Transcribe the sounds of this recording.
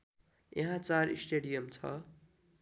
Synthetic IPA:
jʌ̃ɦãt͡saɾisʈeɽijʌmt͡sʰʌ̰

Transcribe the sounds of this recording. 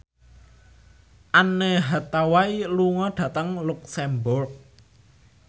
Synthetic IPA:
ʔaneɦat̪awailuŋɔɖ̥ä̤t̪əŋluk̚sɛmbʊrk̚

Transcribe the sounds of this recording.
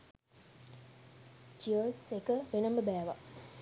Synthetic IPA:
d͡ʒiosekəʋenəməbæːʋa̰

